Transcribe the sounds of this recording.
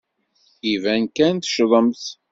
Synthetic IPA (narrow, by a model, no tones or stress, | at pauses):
ivænkænt̪ʃðˤəmθ